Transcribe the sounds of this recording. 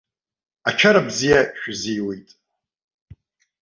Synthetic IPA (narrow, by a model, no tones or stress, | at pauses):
at͡ʃʰaɾabzijaʃᶣzijwejtʼ